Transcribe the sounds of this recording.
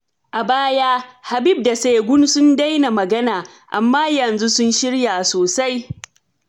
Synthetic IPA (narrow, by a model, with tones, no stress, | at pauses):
ʔa˨baː˦jaː˦ha˨bɪ˦b̚da˨seː˨ɡʷʊ˦nsʊ˦nda˦jna˨mɐ˨ɡɐ˦naː˨ | ʔa̰˨mːaː˦jɐ˨nzu˦sʊ˦nʃɪ˦ɽjaː˨soː˨sa˦j